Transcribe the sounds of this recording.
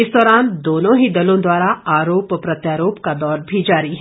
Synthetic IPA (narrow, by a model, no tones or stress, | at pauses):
ɪsd̪ɔːɾaːnd̪oːnõɦid̪ɐlõd̪waːɾaaːɾoːppɾɐt̪jaːɾoːpkad̪ɔːɾbʱid͡ʒaːɾiɦ